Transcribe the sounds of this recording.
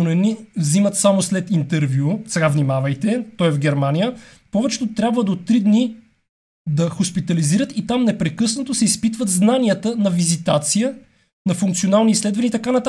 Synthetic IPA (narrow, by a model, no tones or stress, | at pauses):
onɛnivzimət̪samoslɛt̪int̪ɛɾvʲjusɛɡavnimavɐjt̪ɛt̪ɔjɛvɡʲɛɾmanijə | pɔvɛt͡ʃɛ̥t̪ot̪ɾʲabvəd̪ot̪ɾid̪ni | d̪ɐxʊspit̪ɐliziɾət̪it̪amnɛpɾɛkɤsnɐt̪osɛispit̪vət̪znaniət̪ənɐvizit̪at̪sijə | nɐfuŋkt̪sionalˠnislɛd̪vɐniːt̪ɐkanɐt̪a